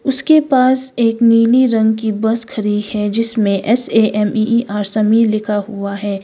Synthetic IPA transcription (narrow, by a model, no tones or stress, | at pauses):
ʊskepaːseːkniːliɾɐ̃ŋɡkibɐskɐɾid̪hɛd͡ʒɪsmẽʔɛseːʔɛmiʔaːɾsɐmiːɾlɪkʰaɦuaɦɛː